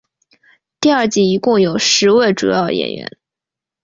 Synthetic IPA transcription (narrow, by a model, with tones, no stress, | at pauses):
t̪i˥˧ɐ˞˥˧t͡ɕi˥˩i˧˥kʊ˥˩ŋjo˨˩ʊʂɻ̩˧˥we˥˩ɪʈ͡ʂṵ˨˩jɑ˥˩ʊjɛ̰˨˩nɥɛ̰˧˥n